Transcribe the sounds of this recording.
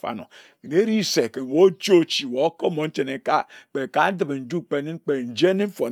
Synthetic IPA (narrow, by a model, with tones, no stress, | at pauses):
fa̰˦no̰˨ | ki˨ne˦ɾi˦se˨ke˨n˨wo˦t͡ʃo˦˨t͡ʃi˨wo˨o˦ko˦mo˨n̩˦t͡ʃe˨ne˨ka˦k͡pe˨ka˨˦n˦dɨ˨bn̩˨d͡ʒu˦k͡pe˨˦ni˦n˦k͡pe˨n̩˨d͡ʒe˦ni˦m̩˦fo˨